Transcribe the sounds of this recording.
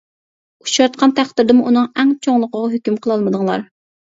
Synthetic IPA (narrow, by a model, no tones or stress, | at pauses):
u̥ʃɑɾt̪̚qʰɑnt̪ʰæχt̪ːɪɾd̪ɪmuʔunɨŋɛŋt͡ʃʰoŋlˠəqəʁɑɦykʲymqʰəlˠɑlˠmɨd̪ɨŋlˠɑ̰ɾ